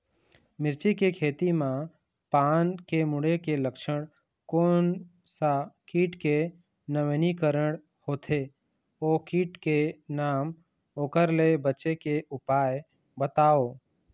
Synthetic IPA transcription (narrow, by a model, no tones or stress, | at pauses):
mɪɾt͡ʃikekʰeːt̪imã | paːnkemʊɽekeləkʃəɽ̃ | koːn | sakiːʈke | nəʋnikəɾəɽ | hoːt̪ʰe | oːkiːʈkenaːm | oːkəɾlebətːt͡ʃekeʔʊpaːe | bət̪aːoː